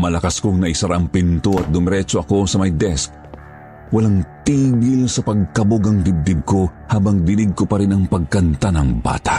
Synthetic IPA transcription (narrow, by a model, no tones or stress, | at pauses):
mɐlɐkaskoŋnɐʔɪsɐɾaʔɐŋpint̪oɐt̪̚d̪ʊmɾɛt͡ʃoʔɐko̞sɐmɐjd̪ɛsk̚ | wɐlaŋt̪iːɡɪlsɐpɐɡ̚kɐboɡɐŋd̪ɪb̚d̪ɪb̚ko̞haːbɐŋd̪ɪnɪɡ̚kopɐɾɪnɐŋpɐɡ̚kɐnt̪anɐŋba̰ːt̪a̰ʔ